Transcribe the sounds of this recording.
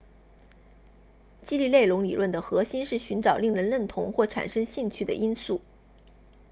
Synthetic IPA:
t͡ɕi˥li˥˧le˥˩ɪlʊ˧˥ŋli˨˩lwə˥˩nd̪ə˩xɤ˧˥ɕi˥nʂɻ̩˥˩ɕy˧˥nʈ͡ʂɑ˨˩ʊli˥˩ŋɻə˧˥nlə˥˩nt̪ʰʊ˧˥ŋxwɔ˥˩ʈ͡ʂʰa̰˨˩nʂɤ˥ŋɕi˥˧ŋt͡ɕʰy˥˩d̪ə̰˩ʔi˥nsu˥˩

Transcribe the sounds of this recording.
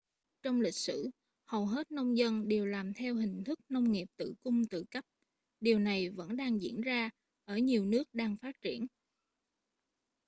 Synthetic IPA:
t͡ɕɔ˧wŋ͡mlï˨˩k̟̚sɨ̰˧˥ | hə˨˩wɦe˦˥t̚nə˧wŋ͡mzə˧nɗe˨˩wlaː˨˩mt̪ʰɛ˧wɦï˨˩ŋ̟t̪ʰɨ˦˥k̚nə˧wŋ͡mŋi˨˩əp̚t̪ɨ̰˧˨kʊ˧ŋ͡mt̪ɨ̰˧˨kə˦˥p̚ | ɗi˨˩əwna˨˩jvə̰˧˥nɗaː˧ŋzḭ˧˥ənzaː˧ | ʔəː˧˩ɲi˨˩əwnɨ˦˥ək̚ɗaː˧ŋfaː˦˥t̚t͡ɕi˧˩ən

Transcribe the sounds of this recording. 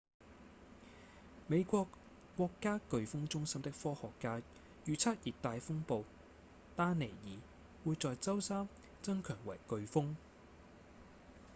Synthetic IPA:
me˨˧jkʷɔː˧kːʷ | ɔː˧kːaː˥kɵ˨˧ɥfʊ˥ŋt͡sʊ˥ŋsɐ˥mt̪ɪ˥k̚fɔː˥hɔː˨kːaː˥ | jyː˨˧t͡sʰɐ˥t̚jiː˨t̚t̪aː˨˧jfʊ˥ŋpo˨˧w | t̪aː˥ne˨˩jiː˨˩ | wuː˨˧jt͡sɔː˨˧jt͡sɐ˥wsaː˥m | t͡sɐ˥ŋkʰœː˨˩ŋwɐ˨˩jkɵ˨˧ɥfʊ˥ŋ

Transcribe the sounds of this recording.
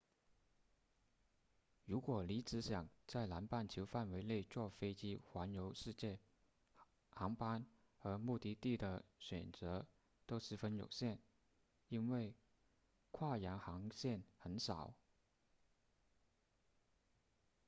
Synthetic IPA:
ɻu˧˥kwɔ˨˩li˧˥t͡sɹɻ̩˧˥ɕjɑ˨˩ŋt͡sa˥˩ɪla˧˥npa˥˩nt͡ɕʰjo˧˥ʊfa˥˩nwe˧˥ɪle˥˧ɪt͡swɔ˥˩fe˥ɪt͡ɕi˥xwa˧˥njo˧˥ʊʂɻ̩˥˧t͡ɕjɛ˥˩ | xɑ˧˥ŋpa˥n | xə˧˥mu˥˧t̪i˥˧t̪i˥˩d̪ə˩ɕɥɛ̰˨˩nt͡sɤ˧˥ | t̪o˥ʊʂɻ̩˧˥fə˥njo̰˨˩ʊɕjɛ˥˩n | i˥nwe˥˩ɪ | kʰwa˥˩ja˧˥nxɑ˧˥ŋɕjɛ˥˩nxə˧˥nʂɑ˨˩˦ʊ

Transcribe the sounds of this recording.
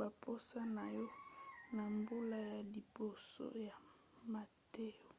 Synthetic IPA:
ba˨pʰo˦sa˦na˨jɔ˦na˨mbu˦la˦ja˨li˨bo˨so̰˦ja˨ | ma˨te˦jo˨

